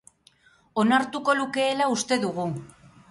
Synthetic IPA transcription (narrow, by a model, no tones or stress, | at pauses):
o̞naɾt̪uko̞luke̞ːlaust̪e̞ðuɣ̞u